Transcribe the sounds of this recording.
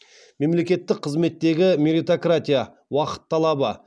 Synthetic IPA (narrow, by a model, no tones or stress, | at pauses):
me̞mle̞kʲe̞t̪ːɪk̚qʰəzme̞t̪ːe̞ɡʲɪmeɾit̪o̞krat̪ʲija | wɑqə̥t̪ʰːɑlˠɑbə